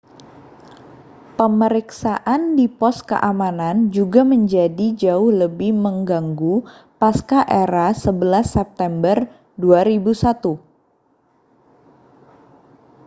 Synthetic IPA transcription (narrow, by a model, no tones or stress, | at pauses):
pəməɾiksaʔandipɔskə̰ʔamanand͡ʒuɡaməɲd͡ʒadid͡ʒaʊhləbɪhməŋɡaŋɡupaskaʔeɾasəbəlasːɛp̚t̪ɛmbər | duaɾibusat̪u